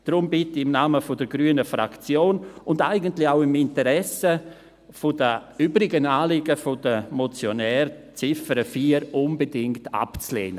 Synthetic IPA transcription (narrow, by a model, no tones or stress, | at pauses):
d̥ɾʊmbɪtɪɪmnaːməfʊdəɾɡɾyənəfɾa̰kt͡sjoːnʊndaɪɡəntlɪçaʊɪmɪntəɾɛsə | fʊd̥əyːbɾɪɡənaːlɪɡəfʊdəmɔt͡sjonɛːɾt͡sɪfəɾəfiːəɾʊnbədɪŋkta̰pt͡slḛːnə